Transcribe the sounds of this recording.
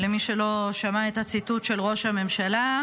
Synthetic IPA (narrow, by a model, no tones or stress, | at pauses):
lemiʃelo̞ʃamaet̪at͡situtʃe̞lʁo̞ʃhame̞mʃala